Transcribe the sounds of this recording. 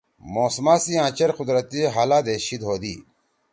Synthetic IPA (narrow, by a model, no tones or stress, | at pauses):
moːsmaːsiãːt͡ɕɐɾqud̪ɾɐt̪iɦalaːd̪eɕid̪ɦoːd̪ḭː